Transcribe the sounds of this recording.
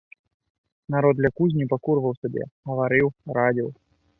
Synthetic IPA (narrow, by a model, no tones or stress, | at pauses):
naɾɔd̪d̪lʲɐkuzʲnʲipakurvɐwsʲabʲɛ̰ɣɐvaɾɨwɾad͡zʲiw